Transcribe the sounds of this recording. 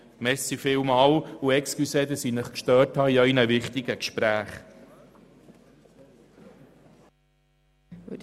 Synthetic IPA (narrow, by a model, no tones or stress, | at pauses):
mɛsifɪwmɑːluɛkskysɛd̪əsinəχkʃtœːthɑːiœinəvɪχt̪iɡəkʃpɾæːχ